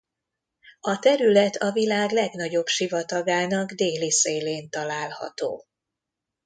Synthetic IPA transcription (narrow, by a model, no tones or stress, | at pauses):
ɒt̪ɛɾylɛt̪ʰɒvilaːɡlɛɡn̪ɒɟo̞bʃivɒt̪ɒɡaːnɒɡd̪eːliseːleːnt̪ɒlaːlhɒ̰t̪o̰ː